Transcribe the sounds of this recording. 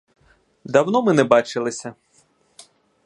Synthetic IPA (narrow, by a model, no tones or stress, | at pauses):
d̪ɐwnɔmɪnɛbɑt͡ʃɪlˠɪsʲɐ